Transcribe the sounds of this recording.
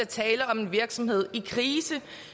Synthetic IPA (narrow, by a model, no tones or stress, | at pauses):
æt͡sʰɛːləɒ̽me̝nʋiɐɡ̥sɒ̽mhe̝ð̞̰ˠikʰʁiːsə